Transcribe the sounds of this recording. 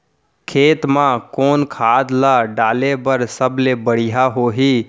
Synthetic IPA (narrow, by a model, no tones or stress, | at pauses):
kʰeːt̪mãkoːnkʰaːd̪laɖaːlebəɾsəblebəɽ̤ijaɦoɦi